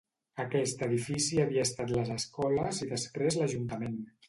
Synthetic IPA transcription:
əkɛst̪əðifisiəβiəːst̪at̪ləzəskɔləziðəspɾezləʒunt̪əmen

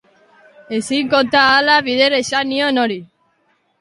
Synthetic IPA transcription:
esiŋkont̪aːlaβiðeɾeʃanionoɾi

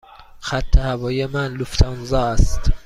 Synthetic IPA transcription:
xæt̪ʰːehævɒːjemænluft̪ʰɒnzɒːæst̪

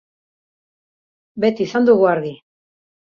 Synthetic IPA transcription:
be̞t̪iːsand̪uɣuaɾði

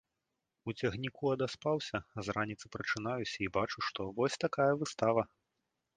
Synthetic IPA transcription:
ut͡sʲɐɣnʲikuɐd̪aspawsʲɐzranʲit̪sɨpɾɐt͡ʂɨn̪ajusʲɐibat͡ʂuʂt̪ɔvɔsʲt̪akajɐvɨst̪avɐ

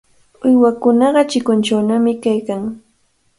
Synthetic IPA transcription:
ʊjwakʊnɑɢɑt͡ʃɪkʊnt͡ʃawnamɪkajkaŋ

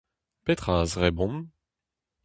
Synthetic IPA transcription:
pet̪χazʁɛbɔ̃m

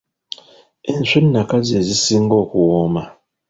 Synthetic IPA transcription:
en̩sennakazezisiŋɡɔkuwɔma

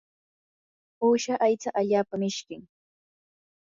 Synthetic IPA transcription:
uːʃaʔajt͡saʔaʎaːpamɪʃkɪŋ

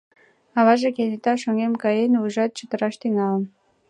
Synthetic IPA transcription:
ɑβɑʒekenet̪ɑʃoŋemkɑjenuʒɑt̪̚t͡ɕət̪ə̆ɾɑʃt̪yŋɑlən

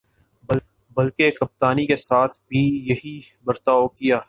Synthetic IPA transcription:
bɐlkekɐp̚t̪aːnikesaːt̪ʰbʱijɐɦibɐɾt̪aːokijaː

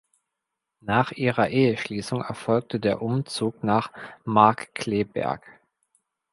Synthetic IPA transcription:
naːχʔiːʁɐʔeːəʃliːsʊŋɛɐfɔlk̚tədeːɐʔʊmt͡suːknaːχmaɐkkʰl̥eːbɛ̰ɐ̰k

